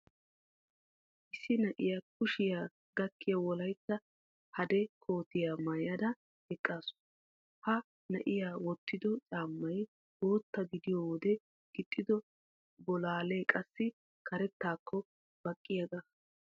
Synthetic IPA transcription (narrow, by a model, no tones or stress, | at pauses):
ʔɪsːɪnɐʔɪjak̚ʊʃɪjaː | ɡ̥ɐkːɪjɐwɔlɐjt͡sːɐ | hɐd̪ɛkʰoːt̪ɪjamɐjɐd̪ɐ | ɛkʼːaːsʊ̥ | hɐ | nɐʔɪjaːwɔt̪ːɪd̪ɔt͡ʃʼaːmːɐj | boːt̪ːɐɡɪd̪ɪjoːwɔd̪ɛ | ɡ̥ɪt̪ʼːɪd̪ɔ | bɔlaːle̞ːkʼɐsːɪ | kʰɐɾɛt̪ːaːkːɔ | b̥ɐkʼːɪjɐɡɐ